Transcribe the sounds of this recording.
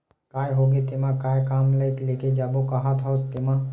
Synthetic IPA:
kaːjɦoɡet̪emãkaːjkaːmləjt̪leked͡ʒaːbokaɦat̪ɦɔːst̪emã

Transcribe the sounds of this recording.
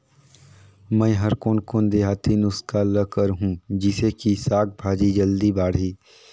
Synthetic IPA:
mɛ̃ːɦɐɾkoːnkoːnd̪eːɦaːt̪inʊskaləkəɾɦũd͡ʒɪsekisaːɡ̚bʱaːd͡ʒid͡ʒəld̪ibaːɽɦiː

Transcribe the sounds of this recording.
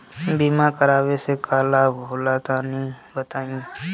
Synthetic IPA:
biːmaːkəɾaːʋesekʰaːlaːɦʊːlaːt̪aːnĩːbət̪aːũː

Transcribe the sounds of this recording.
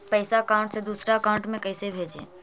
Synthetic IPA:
pəɪsakaʊ̃ɳʈsẽd̪uːsɾakaʊ̃ɳʈmẽkəɪsebʱed͡ʒḛ̃

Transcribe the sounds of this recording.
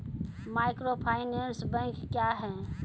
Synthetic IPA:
majkɾopʰaɪnensbɛ̃ŋkkːjaɦɛ

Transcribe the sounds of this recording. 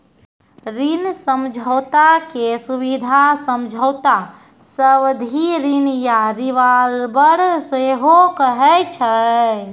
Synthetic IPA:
ɾinsəmd͡ʒʱəʊt̪akesubid̪ʱasəmd͡ʒʱəwt̪a | səbd̪ʱiɾinjaɾiʋalbəɾseɦokəɦɛt͡ʃʰə

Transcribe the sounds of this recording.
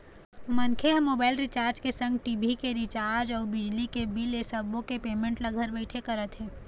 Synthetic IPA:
mɐnkʰeɦmːoːbaːɪlɾɪt͡ʃaːɾd͡ʒkesə̃ŋɡʈiːbʱikeɾɪt͡ʃaːɾɾd͡ʒɔːɾbɪd͡ʒlikebilesəbõkepeːmẽɳʈlɐɡʱəɾbɛɪʈʰekɐɾət̪ɦɛ̃ː

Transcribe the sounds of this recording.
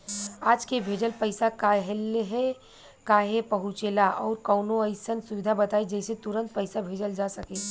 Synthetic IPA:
aːd͡ʒkebʱeːd͡ʒəlpəɪsakaɦlɦɛ | kaːɦepəɦut͡ʃeːlaʔɔːɾkɔːnoəɪsənsʊʋɪd̪ʱabət̪aːid͡ʒɛːset̪ʊɾə̃nt̪̚pəɪsabʱeːd͡ʒəld͡ʒasəkẽ

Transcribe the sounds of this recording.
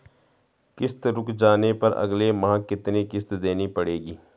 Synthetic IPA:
kɪst̪ɾʊkd͡ʒaːnepɐɾɐ̰ɡlemãːkɪt̪nikɪst̪d̪eːnipəɽeːɡiː

